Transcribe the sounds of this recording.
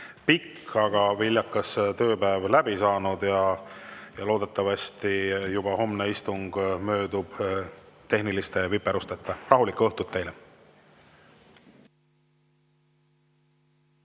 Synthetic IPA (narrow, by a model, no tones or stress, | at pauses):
pikː | ɑɡ̥ɑvilʲjɑkːˑɑst̪ø̞ːpæevlæbisɑːnud̪̥jɑ | jɑlo̞ːd̪̥e̞t̪ːˑɑvɑst̪ijub̥ɑho̞mneist̪uŋɡ̥mø̞ːd̪ub̥t̪e̞ɦnilist̪e̞vipːˑeɾust̪et̪ːˑɑrɑɦulikːuɤht̪ut̪ːe̞jle